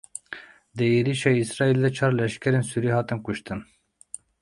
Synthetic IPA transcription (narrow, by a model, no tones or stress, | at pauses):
d̪ɨeɾiʃɑːisɾɑːild̪ɛt͡ʃʰɑːɾlɛʃkʲʰɛɾensuɾiːhɑːt̪ɨnkuʃt̪ɨn